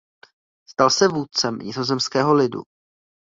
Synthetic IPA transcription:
st̪alsɛvuːt̪̚t͡sɛmɲɪzo̞zɛmskɛːɦo̞lɪdṵ

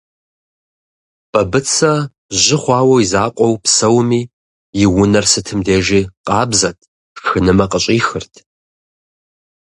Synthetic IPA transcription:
b̥ɐbɨt͡sʰɐ | ʑɪχʷɑːwɐwizaːqʷʼɔwpsɐwmiː | jɪwʊnɐrsɨtʰɨmdeːʒiːqʼɑːbzɐtʰ | xɨnɨmɐqʼəɕʼiːxɨrtʰ

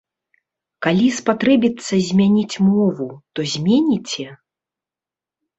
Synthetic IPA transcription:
kalʲispat̪ɾɛbʲit̪sːɐzʲmʲanʲit͡sʲmɔvut̪ɔzʲmʲenʲit͡sʲɛ

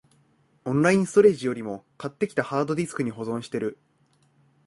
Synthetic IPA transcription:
õ̞nɾaĩsɨ̥t̪o̞ɾe̞ːʑijo̞ɾʲimo̞kat̪ːe̞kʲi̥t̪ahaːd̪o̞ɾʲisɨ̥kɯ̟ɲ̟iɦo̞zõ̞ɕi̥t̪e̞ɾɯ̟

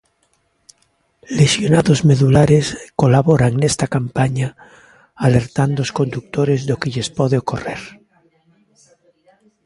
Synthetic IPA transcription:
lesjonaðozmeðulaɾeskolaβoɾaŋnest̪akampaɲa | aleɾt̪and̪ooskond̪uk̚t̪oɾezðokeʎespɔðeokoreɾ

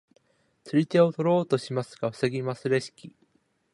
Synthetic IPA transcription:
t͡sɨɾʲit̪e̞o̞t̪o̞ɾo̞ːt̪o̞ɕimasɨɡ̥aɸɯ̟̥seɡʲimasɨɾe̞ɕi̥kʲi

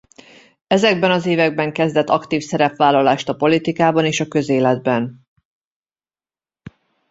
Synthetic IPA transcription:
ɛzɛɡ̚bɛnɒzeːvɛɡ̚bɛŋkɛzd̪ɛt̪ːɒkt̪iːfsɛɾɛpʋaːlːɒlaːʃt̪ɒpo̞lit̪ikaːbɒneːʃɒkø̞zeːlɛd̪̚bɛn

